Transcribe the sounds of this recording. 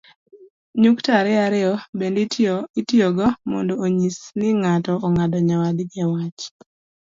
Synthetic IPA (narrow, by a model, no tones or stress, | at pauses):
ɲuktaɾɪaɾɪɔbenditjoɡɔmɔ̰ndɔoɲisnɪŋatɔːŋadɔɲawadɡɛwat͡ʃ